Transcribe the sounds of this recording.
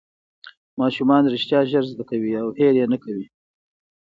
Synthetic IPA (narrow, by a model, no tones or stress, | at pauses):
mɑʃumɑnɾɪʃt̪jɑʒəɾzd̪akawiawheɾjenakawi